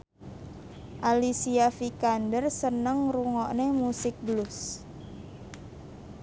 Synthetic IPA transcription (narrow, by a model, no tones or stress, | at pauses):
ʔalisiafikandərsənəŋruŋɔʔnemusɪk̚blus